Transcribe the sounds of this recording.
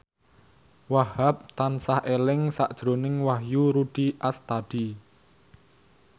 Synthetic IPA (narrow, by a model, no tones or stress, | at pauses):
wahap̚t̪ansahʔelɪŋsa̰ʔd̥ʒ̥ɾo̤nɪŋwahjuɾuɖ̥iʔast̪ad̥i